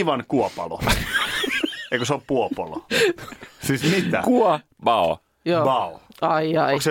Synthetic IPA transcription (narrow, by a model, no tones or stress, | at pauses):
iʋɑnkuopɑ̰lo̰ | eikosoppuopolo̰ | sismit̪æ̰kuɔ | bɑo | joːbɑoɑiɑikse